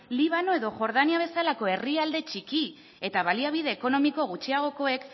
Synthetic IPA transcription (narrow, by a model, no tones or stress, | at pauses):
liβ̞ano̞e̞ðo̞xo̞ɾð̞aniaβ̞e̞salako̞e̞riald̪e̞t͡ʃiki | e̞t̪aβaliaβ̞ið̞e̞ːko̞no̞miko̞ɣ̞ut͡ʃiaɣ̞o̞ko̞e̞k